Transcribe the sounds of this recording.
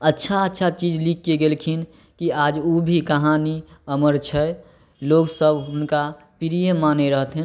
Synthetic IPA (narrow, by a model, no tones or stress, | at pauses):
ətːʃʰaətːʃʰat͡ʃid͡ʒlikːeɡelkʰin | kiad͡ʒubʱikəɦaniəməɾt͡ʃʰɛ | loːɡsəbʱɦʊnka | piɾijemaneɾəɦt̪ɦɛn